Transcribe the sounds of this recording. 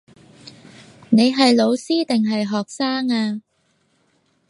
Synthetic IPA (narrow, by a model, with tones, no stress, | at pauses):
ne˨˧jɦɐ˨jlo˨˧wsiː˥t̪ɪ˨ŋɦɐ˨jɦɔː˨k̚saː˥ŋaː˧